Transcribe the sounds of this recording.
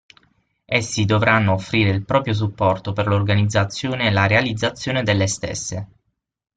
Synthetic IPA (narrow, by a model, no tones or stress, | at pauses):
esːid̪ovɾanːoːfːɾiːɾeilpɾɔːpɾjos̬upːɔrt̪operlorɡanid̪zːat̪sːjoːneːlaɾealid̪zːat̪sːjoːned̪elːest̪ḛsːe